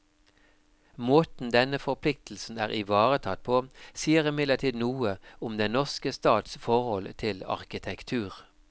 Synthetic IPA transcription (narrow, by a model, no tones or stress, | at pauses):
moːt̪n̩d̪ɛnəfɔʁpʰlɪk̚t̪l̩sn̩æːʁɪʋɑːʁət̪ʰɑt̪̚pʰoːsiːəʁɪmɪd̪ləʈʰiːd̪nuːəʊmd̪ɛnnɔʁskəst̪ɑːt̪sfɔʁhɔlt̪ʰɪlɑ̰ʁkɪt̪ʰɛkt̪ʰʉːʁ